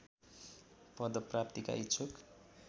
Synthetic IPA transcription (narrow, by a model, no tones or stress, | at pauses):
pʌd̪ʌprap̚t̪ika̰it͡sʰok